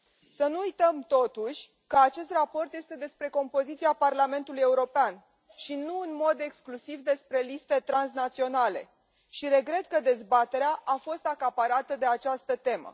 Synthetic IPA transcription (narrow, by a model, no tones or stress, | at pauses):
sənuujt̪əmt̪o̞t̪uʃʲ | kəat͡ʃe̞st̪rapo̞rt̪je̞st̪e̞d̪e̞spɾe̞ko̞mpo̞zit̪siaparlame̞nt̪uluje̞uɾo̞pean | ʃinuɨnmo̞d̪e̞ksklusivd̪e̞spɾe̞list̪e̞t̪ɾans̬nat̪sio̞nale̞̰ | ʃiɾe̞ɡɾe̞t̪kəd̪e̞zbat̪e̞ɾeaʔafo̞st̪akapaɾat̪əd̪e̞at͡ʃast̪ət̪e̞mə̰